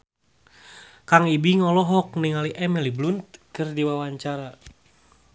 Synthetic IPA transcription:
kaŋibiŋɔlɔɦɔk̚niŋaliʔɛmɛliblunt̪̚kɨrdiwawaɲt͡ʃaɾa

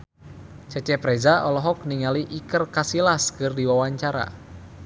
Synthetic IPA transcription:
t͡ʃɛt͡ʃɛpɾɛzaɔlɔɦɔk̚niŋaliʔikərkasilaskɨrdiwawaɲt͡ʃaɾa̰

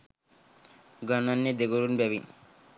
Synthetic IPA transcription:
ɡɔnanːed̪eɡoɾunbɛbin

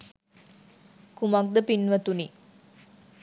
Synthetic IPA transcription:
kumak̚d̪əpinʋɐt̪uni

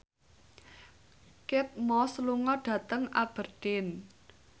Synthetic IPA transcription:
kɪp̪̚mɔsluŋɔɖ̥ä̤t̪əŋab̥ərɖ̥ɪn

